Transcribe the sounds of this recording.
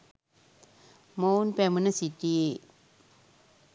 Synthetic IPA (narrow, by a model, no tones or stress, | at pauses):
monpɛmɯnasit̪i